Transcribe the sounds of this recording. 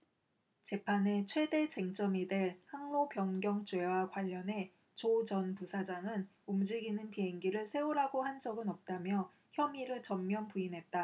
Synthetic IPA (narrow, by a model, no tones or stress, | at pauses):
t͡ɕe̞pʰane̞t͡ɕʰwe̞de̞t͡ɕe̞ŋt͡ɕ͈ʌmidweɭhaŋmopjʌnɡjʌŋt͡ɕwe̞wakwaʎːʌne̞ | t͡ɕod͡ʑʌnpusʰad͡ʑaŋɯn | umd͡ʑiɡinɯnpiɦe̞ŋɡiɾɯɭsʰe̞uɾaɡohand͡ʑʌɡɯnʌp̚t͈amjʌ | çjʌmiɾɯɭt͡ɕʌmmːjʌnpuinɦe̞t̚t͈a